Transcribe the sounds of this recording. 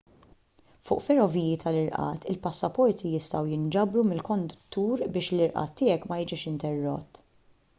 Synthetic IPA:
fʊːʔfɛɾɔviːjit̪ʰɐlɪɾʔɐ̰ːt̪ɪlpɐsːɐpɔɾt̪ijɪst̪ɐwjɪnd͡ʒɐbɾumɪlkɔnd̪ʊt̪ːuːɾbɪːʃlɪɾʔɐ̰ːt̪ːɪjɛkːmɐjɪd͡ʒiːʃɪnt̪ɛrːɔ̰t̪ː

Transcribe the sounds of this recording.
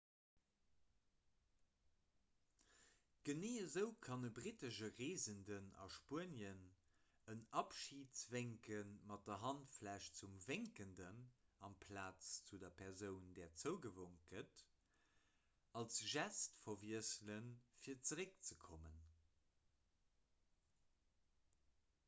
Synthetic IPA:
ɡ̥əneːəzəʊkʰɑnəbʁitəʃəʁeːzəndənɑ̰ʃpuənjən | ənɑpʃiːtt͡sveŋkənmɑt̚d̥ɐɦɑntflæʃt͡sumveŋkəndənɑmpʰlaːt͡st͡sudɐpʰɛʁzəʊndɛːɐt͡səʊɡəvoŋt̚ɡ̥ət | ɑlsʒæstfɐviəslənfiːɐt͡səʁək̚t͡səkʰomən

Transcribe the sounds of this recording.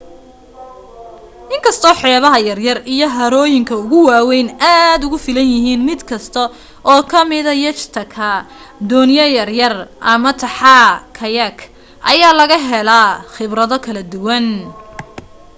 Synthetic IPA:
ʔɪŋkʰɐst̪ʰɔːħɛːβɐɦɐjɐrjɐrijɞɦɐɾɔːjɪŋkʰɐʊɣʊwɑːwɛjnʔaːd̪ʊɣʊfɪlɐnjɪɦiːnmɪd̪kʰɐst̪ʰɔ | ʔɔːkʰɐmɪðɐjɐt͡ʃt̪ʰɐkʰɐ | d̪ɔːnjɐjɐrjɐrʔɐmɐt̪ʰɐħakʰɐjɐkʰ | ʔɐjaːlɐɣɐɦɛlɐχɪβrɐðɔkʰɐlɐd̪ʊwɐn

